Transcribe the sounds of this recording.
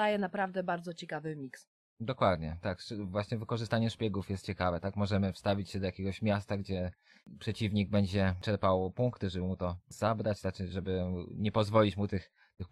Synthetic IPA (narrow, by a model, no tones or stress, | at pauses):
ajɛnapɾavd̪ɛbaɾd̪zɔt͡ɕɛkavɘmʲiks | d̪ɔkwad̪ɲɛt̪akvwaɕɲɛvɘkɔʐɘst̪aɲɛʂpʲjɛɡufjɛst̪̚t͡ɕɛkavɛt̪akmɔʐɛmɘfst̪avʲit͡ɕɕɛd̪ɔjakʲeɡɔɕmʲjast̪aɡd͡ʑɛ | pʂɛt͡ɕivɲiɡ̚bɛɲd͡ʑɛt͡ʂɛɾpawpuŋkt̪ɘʐɛbɘmut̪ɔz̥abɾat͡ɕt̪at͡ʂɘʐɛbɘɲɛpɔzvɔlʲit͡ɕmut̪ɘx | t̪ɘx